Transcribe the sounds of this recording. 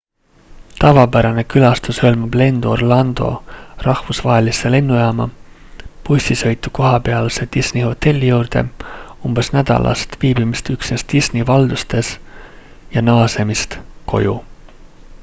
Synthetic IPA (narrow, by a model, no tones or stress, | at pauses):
t̪ɑvɑpæɾɑne̞kylɑst̪usɤlmub̥le̞nd̪̥orlɑnd̪̥o̞̰rɑhvusvɑɦe̞lise̞le̞nːujɑːmɑ | pusʲisɤ̞jt̪ːˑuko̞ɦɑpe̞ɑlse̞d̪̥isniho̞t̪ːe̞lʲːijuːrd̪̥e̞̰umb̥esnæd̪̥ɑ̰lʔɑ̰st̪viːbimist̪yksnest̪isnivɑld̪̥ust̪e̞s | jɑnɑːse̞mist̪ko̞̰jṵ